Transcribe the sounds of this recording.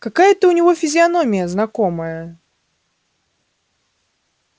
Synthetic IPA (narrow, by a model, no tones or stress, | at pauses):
kɐkajət̪əʊnʲɪvofʲɪzʲɪɐno̞mʲɪjəznɐko̞məjə